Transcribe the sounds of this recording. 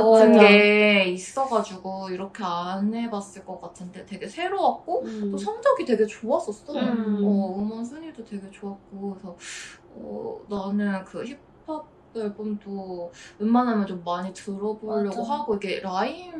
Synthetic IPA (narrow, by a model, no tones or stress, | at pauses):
ɯnɡeeis͈ʌɡad͡ʑuɡoiɾʌkʰe̞ane̞bas͈ɯɭk͈ʌk͈atʰɯnde̞twe̞ɡe̞sʰe̞ɾowak̚k͈ot͈osʰʌŋd͡ʑʌɡitwe̞ɡe̞t͡ɕoas͈ʌs͈ʌnɯnʌɯmans̬ʰɯɲiɭdotwe̞ɡe̞t͡ɕoak̚k͈oisʰʌ | ʌ̰nanɯnkɯçipʰak̚ | t͈ɯɭbumdoɯnmanɦamjʌnt͡ɕomːaɲitɯɾʌboʎːʌɡoɦaɡoiɡe̞ɾain